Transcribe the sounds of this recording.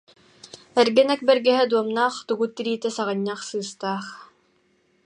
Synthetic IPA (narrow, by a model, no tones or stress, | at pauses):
ɛɾɡɛnɛk̚bɛɾɡɛɦɛd̪uɔmnaːχt̪uɡut̪ːiɾiːt̪ɛsaʁɯɲːaχsɯːst̪aːχ